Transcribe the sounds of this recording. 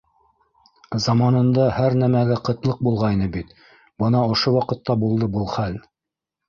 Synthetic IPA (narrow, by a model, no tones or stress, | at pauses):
zɑmɑnɤ̆nd̪ɑhæɾnæmæɡæqɤ̆t̪lˠɤq̚bulˠʁɑjnɤbit̪ | bɤnɑŏʃowɑqɤ̆t̪ːɑbulˠd̪ɤbɤlˠχæl